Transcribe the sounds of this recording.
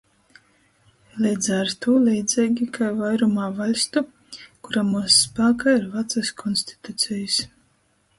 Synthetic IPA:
lʲɛjd̪zaɾt̪uːlʲɛjd̪zʲɛːɡʲikʰajvajɾumaːvalʲst̪u | kuɾamuɔsːpaːkaːiɾvat̪saskʰɔnsʲt̪i̥t̪ut̪sʲɛjɨs

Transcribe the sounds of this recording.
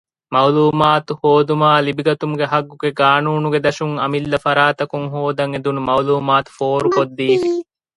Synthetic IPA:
mɐuluːmaːt̪uhoːd̪umaːlibiɡɐt̪umuɡeɦɐɡːuɡeɡaːnuːnuɡed̪ɐʃuŋɐmilːɐfɐɾaːt̪ɐkuŋɦoːd̪ɐŋed̪unumɐuluːmaːt̪u̥foːɾukod̪ːiːfi

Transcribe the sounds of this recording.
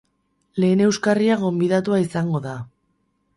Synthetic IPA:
le̞ːne̞wskariaɣo̞mbiðat̪uaisaŋɡo̞ða

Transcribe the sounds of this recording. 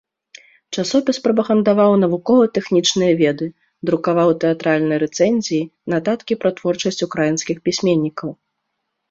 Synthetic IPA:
t͡ʂasɔpʲispɾɐbɐɣɐnd̪avawn̪ɐvukɔvɐt̪ɛxnʲit͡ʂnɨjɐvʲɛd̪ɨ | d̪ɾukavawt̪ɛat̪ɾalʲnɨjɐɾɛt̪sɛnʲzʲijinat̪at̪kʲipɾɐt̪vɔrt͡ʂɐsʲt͡sʲukɾajinskʲixpʲisʲmʲenʲːikɐw

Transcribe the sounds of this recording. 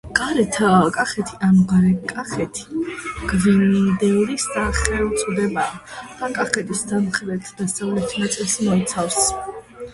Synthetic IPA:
ɡ̥ʼaɾɛt̪ʰkʼaχɛt̪ʰiʔamʁaɾɛkʼaχɛt̪ʰi̥ɡ̥vinid̪ɛlisd̪aχɛlut̪sʼud̪ɛbaːd̪̥akʼaχɛt̪ʰʼisd̪anχɾɛt̪ʰd̪asɛlit̪ʰnat̪sʼɛlˠsmɔit̪sʰafs

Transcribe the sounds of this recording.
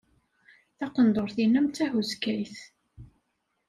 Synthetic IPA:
θɑqənd̪oɾθinæmt͡sːæhuzkæjθ

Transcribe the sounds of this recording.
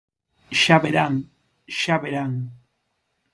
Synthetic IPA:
ʃaβeɾaŋ | ʃaβeɾaŋ

